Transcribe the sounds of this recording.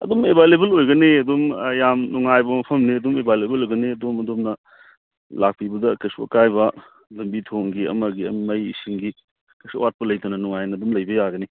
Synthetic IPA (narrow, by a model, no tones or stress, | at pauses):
ɐ̰domebʱajlebɐlojɡɐniɐdomjamnuŋajbɐmɐpʰɐmniɐdomebʱajlebɐlojɡɐniɐdomɐdomnɐ | lak̚pibɐdɐkɐjsuɐ̰kajbɐ | lɐmbitʰoŋɡiɐ̰mɐɡiɐ̰mmɐjisiŋɡi | kɐjsuwat̚pɐlɐjtɐnɐnuŋajnɐdomlɐjbɐjaɡɐni